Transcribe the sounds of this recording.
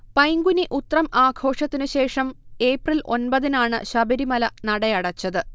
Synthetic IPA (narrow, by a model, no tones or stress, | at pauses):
pɐjŋɡuniʔut̪ːrɐmaːɡʱo̞ːʂɐt̪ːinɨɕe̞ːʂɐme̞ːprilʔo̞̰nbɐðinaːɳɨ̰ɕɐbɐɾimɐlɐnɐɽɐjɐɽɐt͡ɕːɐðɨ